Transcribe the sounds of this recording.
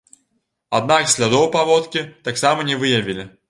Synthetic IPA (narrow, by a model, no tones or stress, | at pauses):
a̰d̪̚naksʲlʲad̪ɔwpavɔt̪kʲit̪aksamɐnʲɛvɨjɐvʲilʲi